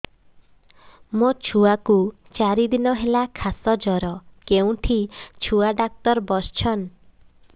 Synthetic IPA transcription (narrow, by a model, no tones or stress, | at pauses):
mot͡ʃʰuaku | t͡ʃaɾid̪inɔɦelakʰasɔd͡ʒɔɾɔkeũʈʰit͡ʃʰuaɖak̚t̪ɔɾbɔst͡ʃʰɔn